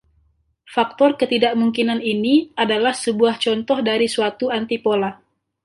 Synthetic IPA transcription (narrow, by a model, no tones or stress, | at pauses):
fak̚t̪ɔrkət̪idaʔmuŋkinaniniadalahsəbuaht͡ʃɔnt̪ɔhdaɾisuat̪uant̪ipola